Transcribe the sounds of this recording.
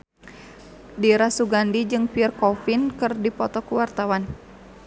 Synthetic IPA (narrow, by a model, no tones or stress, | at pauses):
diɾasuɡandid͡ʒɨŋpirkɔfinkɨrdipɔt̪ɔkuwart̪awan